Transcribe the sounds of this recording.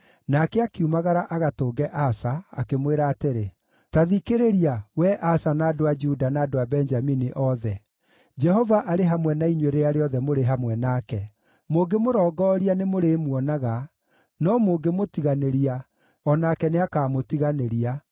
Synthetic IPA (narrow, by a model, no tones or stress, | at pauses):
nakeakiumaɣaɾaʔaɣatoːɡɛʔasaa̰kemweɾaːteɾe | taðikeɾeɾiawɛʔasanaːdoad͡ʒudanaːdoabɛnd͡ʒaminiʔɔðɛ | d͡ʒɛɦɔvaʔaɾeɦamwɛnaiɲweɾeaɾeɔðɛmoɾeɦamwɛnaːkɛ | moɡemoɾɔːɡɔːɾianemoɾeːmwɔnaɣa | nɔmoɡemotiɣaneɾia | ɔnaːkɛneakaːmotiɣaneɾia